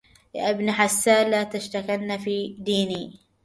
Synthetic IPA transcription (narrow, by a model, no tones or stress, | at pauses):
la̰ʔɪbnħasːaːnlːaːt̪aʃt̪akalnafiːd̪iːniː